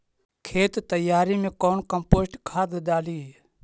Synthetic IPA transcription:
kʰeːt̪t̪əjaːɾiːmẽːkoːnkəmpoːsʈkʰaːd̪ɗ̪aːliː

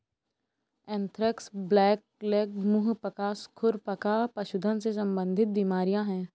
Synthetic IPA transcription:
ɛ̃ːnt̪ʰɾɪksblɛːk̚ | lɛːkmʊɦpəkaːskʰʊɾpəkapɐʃʊd̪ʱənsesɐ̃mbə̃nd̪ʱɪt̪̚biːmaːɾijãɦɛ̃ː

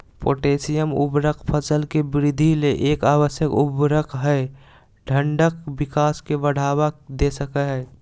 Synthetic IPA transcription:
po̰ːʈeːsijəmṵbɾəkʰpʰəsəlkebɾɪd̪ʱileʔeːkaːwəsjəkubɾəkʰɦɛe | ɖʱə̃ɳɖəkbɪkaːskebəɽ̤aːwad̪esəkəɦɛː

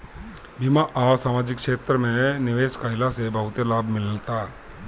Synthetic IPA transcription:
bimaʔasaːmaːd͡ʒɪkʃeːt̪ɾəmẽnɪʋeːʃkaɦɪlasebəɦʊt̪elaːbʱmɪləlt̪aː

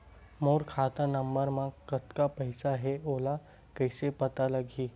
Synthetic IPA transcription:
moːɾkʰaːt̪anəmbəɾmãkɐt̪kapəɪsaɦeoːla | kəɪsepət̪aləɡʱiː

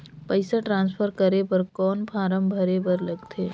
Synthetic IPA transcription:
pəɪsaʈɾãːnspʰəɾkəɾepɐɾkɔːnpʰaːɾəmbʱɐɾepɐɾlɐɡt̪ʰeː

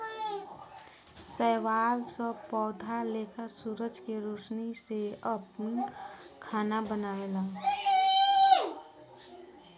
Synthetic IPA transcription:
sɛːwaːlsəpɔːd̪ʱalet̪asuɾəd͡ʒkeɾoːsniseəpnikʰaːnabənaːelaː

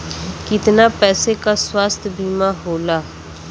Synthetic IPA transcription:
kɪt̪naːpɛːsekaːswaːst̪ʰbiːmaːɦoːlaː

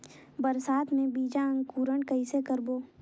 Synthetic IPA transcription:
bəɾsaːt̪mẽbiːd͡ʒaə̃ŋɡkuːɾəɳkəɪsekəɾboː

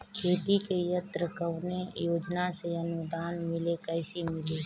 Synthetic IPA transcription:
kʰeːt̪ikejət̪ɾəkəʋnejoːd͡ʒnaseənʊd̪aːnmɪlekɛːɪsimɪle

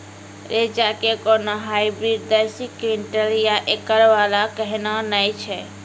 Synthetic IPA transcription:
ɾed͡ʒakekonoɦajbɾiɖd̪əɾsikiɳʈəljaʔekəɾʋalakəɦnanəjt͡ʃʰɛ

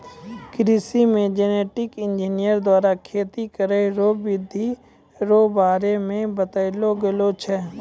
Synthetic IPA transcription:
kɾɪsimẽd͡ʒeneːʈɪkɪ̃nd͡ʒiːnijəɾd̪waːɾakʰeːt̪ikəɾeɾoːbɪd̪ʱi | ɾoːbaːɾemẽbət̪əɪloɡelot͡ʃʰɛː

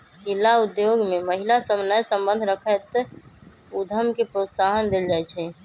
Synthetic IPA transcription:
ɦilaud̪joɡmeməɦilasəbnəjsə̃mbənd̪ʱɾəkʰət̪ | ud̪ʱəmkepɾot̪saɦənd̪eld͡ʒajt͡ʃʰɛ

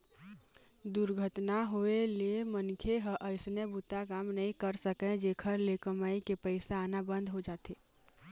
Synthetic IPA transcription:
d̪ʊɾɡʱət̪naɦoeliemənkʰeɦəʔəɪsnebʊt̪akaːmnəɦĩkəɾsəkẽd͡ʒeːkʰəɾleːkəmaːikepəɪsaaːnabə̃nd̪ʱɦod͡ʒaːt̪eː

